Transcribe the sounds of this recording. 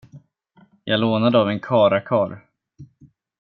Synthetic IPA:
jʔɑːɡloːnad̪əavɛnkʰɑːɾakʰɑːɾ

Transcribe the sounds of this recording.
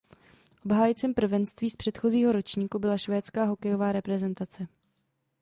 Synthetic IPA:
ʔo̞bɦaːjɪt͡sɪmpr̩vɛnst̪viːspr̝̥ɛt̪xo̞ziːɦo̞ɾo̞t͡ʃɲiːkubɪlaʃvɛːt͡skaːɦo̞kɛjo̞vaːɾɛpɾɛzɛnt̪at͡sɛ

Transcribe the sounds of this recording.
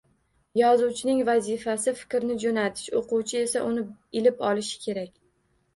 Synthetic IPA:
jɒzuwt͡ʃʰɪnɪŋvazifasɪfɪ̥kʲɾnɪd͡ʒonat̪ʰɪ̥ʃoquwt͡ʃʰɪe̞saʔʊnɪɪlɪpɒlɪʃɪ̥kʲʰe̞ɾakʲ

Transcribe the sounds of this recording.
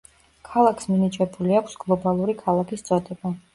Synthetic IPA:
kʰalˠakʰsminit͡ʃʼɛbuliakʷʰsɡlˠɔbalˠuɾikʰalˠakʰist̪sʼɔd̪ɛba

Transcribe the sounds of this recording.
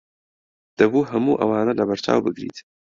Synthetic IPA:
d̪̥ɐbuːɦɐmuːʔɐ̰waːnɐlɐbɐɾt͡ʃa̰ːwbɨɡɾḭːt̪

